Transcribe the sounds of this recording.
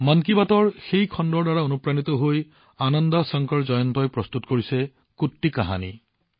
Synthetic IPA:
mankibatɔɹxejkʰɔndɔɹdaɹaonupɹanit̪ɔɦoj | anɔndɔsɔŋkɔɹzɔjɔntɔjpɹɔst̪utkoɹisɛ | kutːikaɦa̰nḭ

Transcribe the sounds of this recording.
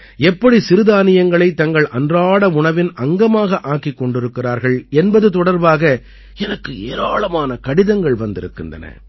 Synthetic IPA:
ɛpːɐɽisɪɾɯðaːnɪjɐŋɡɐɭɐɪt̪ːɐŋɡɐɭʔɐndraːɽɐʊɳɐʋɪnɐŋɡɐmaːɣɐʔaːkːikːɔɳɖɪɾɯkːɪraːɾɣɐɭɛnbɐðɯt̪ɔɽɐɾbaːɣɐ | ɛnɐkːɯeːɾaːɭɐmaːnɐkɐɽɪðɐŋɡɐɭʋɐnd̪ɪ̰ɾɯ̰kːɪ̰ndrɐ̰nɐ̰

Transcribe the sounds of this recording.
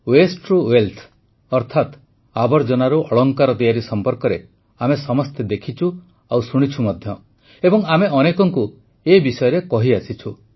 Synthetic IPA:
wesʈɾuwelt̪ʰ | ɔɾt̪ʰat̪ | abɔɾd͡ʒɔnaɾuʔɔɭɔŋkaɾɔt̪ijaɾisɔmpɔɾkɔɾe | amesɔmɔst̪ʰed̪ekʰit͡ʃʰu | awsuɽ̃it͡ʃʰumɔd̪ʱjɔ | ebɔŋameʔɔnekɔŋku | ebisɔjɔɾekɔɦiasit͡ʃʰu

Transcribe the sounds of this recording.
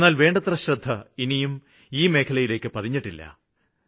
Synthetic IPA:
nːaːlʋe̞ːɳɖɐt̪rɐɕrɐd̪ʱːɐinijum | iːme̞ːkʰɐlɐjile̞ːkːɨpɐðiɲːiʈːilːɐ̰

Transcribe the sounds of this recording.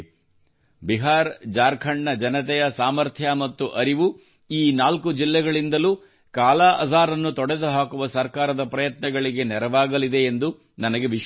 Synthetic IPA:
biɦaːɾd͡ʒaːɾkʰɐɳːɐd͡ʒɐnɐt̪ɛjɐsaːmɐɾt̪ʰjɐmɐt̪ːuʔɐɾiʋu | iːnaːlkud͡ʒilːɛɡɐɭind̪ɐluː | kaːlaːʔɐ̰saːɾɐnːut̪ɔɽed̪uɦaːkuʋɐsɐɾkaːɾɐd̪ɐpɾɐjɐt̪nɐɡɐɭiɡe̞nɛɾɐʋaːɡɐlid̪e̞ːnd̪u | nɐnɐɡe̞ʋiʃ

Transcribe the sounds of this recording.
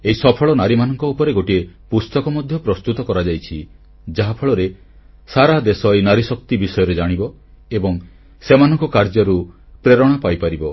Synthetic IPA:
eɦisɔpʰɔɭɔnaɾimanɔŋkɔupɔɾeɡoʈiepust̪ɔkɔmɔd̪ʱjɔpɾɔst̪ut̪ɔkɔɾad͡ʒajt͡ʃʰi | d͡ʒaɦapʰɔɭɔɾe | saɾad̪esɔjnaɾisɔk̚t̪ibisɔjɔɾed͡ʒaɽ̃ibɔ | ebɔŋ | semanɔŋkɔkaɾd͡ʒɔɾu | pɾeɾɔɽ̃apajpaɾibɔ

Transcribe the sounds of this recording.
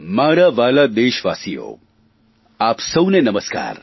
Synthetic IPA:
maːɾaʋaːlad̪eːʃʋa̰ːsijo̰ː | aːpsɐwnenɐməska̰ːɾ

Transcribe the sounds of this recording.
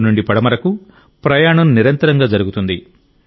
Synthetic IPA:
nuɳɖipɐɽɐmɐɾɐku | pɾɐjaːɳɐmniɾɐnt̪ɐɾɐŋɡaːd͡ʒɐɾuɡut̪und̪i

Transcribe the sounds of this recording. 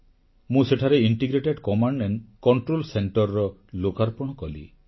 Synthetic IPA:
mũseʈʰaɾeiɳʈiɡɾeʈeɖkɔmaɳɖːenkɔɳʈɾolseɳʈɔɾːɔlokaɾpɔɽ̃ɔkɔlḭ

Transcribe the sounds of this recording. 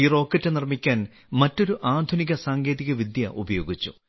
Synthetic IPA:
iro̞ːkːɐtːɨnirmikʲːaːn | mɐtːoɾuʔaːd̪ʱuniɣɐsaːŋɡe̞ːðiɣɐʋid̪jɐʔubɐjo̞ːɡit͡ɕːu̥̰

